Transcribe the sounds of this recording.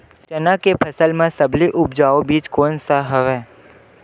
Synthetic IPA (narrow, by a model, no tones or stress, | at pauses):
t͡ʃənãkepʰəsəlmãsəbliʔʊpd͡ʒaobiːd͡ʒkoːnsaɦəʋe